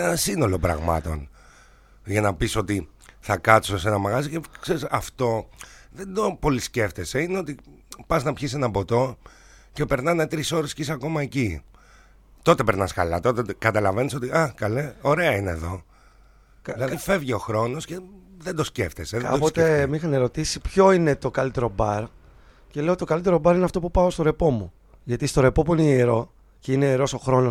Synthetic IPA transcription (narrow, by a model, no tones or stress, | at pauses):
enɐsino̞lo̞pɾɐ̰ɣmɐ̰t̪o̞̰n | ʝɐnɐpiso̞t̪i | θɐkɐt̪i̥sosenɐmɐɣɐzicekseɾisɐft̪o̞ðe̞nd̪o̞po̞lisce̞ft̪ese̞ineo̞t̪ipɐznɐpçis̬e̞nɐbo̞t̪o̞ | ce̞peɾnɐnet̪ɾiso̞ɾe̞scisɐko̞mɐeci | t̪o̞t̪e̞peɾnɐskɐlɐt̪o̞t̪et̪ekɐt̪ɐlɐve̞niso̞t̪iɐkɐleo̞ɾe̞ɐinḛðo̞̰ | kɐilɐðife̞vʝeo̞xɾo̞no̞sceðend̪o̞sce̞̰ft̪eseðkðɐ̰pot̪e̞mixɐne̞ɾo̞t̪isipço̞ine̞t̪o̞kɐlit̪e̞ɾo̞bɐɾ | cele̞ot̪it̪okɐlit̪e̞ɾo̞bɐɾineɐft̪o̞pupɐost̪o̞ɾe̞po̞mu | ʝɐt̪ist̪o̞ɾe̞po̞puineeɾo̞ | ceineːɾo̞so̞xɾo̞no